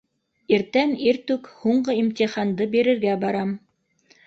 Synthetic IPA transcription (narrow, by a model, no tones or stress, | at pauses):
iɾt̪æniɾt̪ʉkhuɴɢɤimt̪ʲiχɑnd̪ɤbiɾɘ̆ɾɡæbɑɾɑm